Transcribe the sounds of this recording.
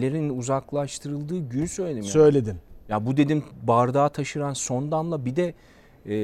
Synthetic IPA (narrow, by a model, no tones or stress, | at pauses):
lʲeɾinuzaklˠaʃt̪ʰɯɾɯlˠd̪ɯːɟyjysø̞jlʲe̞d̪imjsø̞jlʲed̪imjabud̪e̞d̪imbaɾd̪aːt̪ʰaʃɯɾanso̞nd̪amlˠabid̪ɛː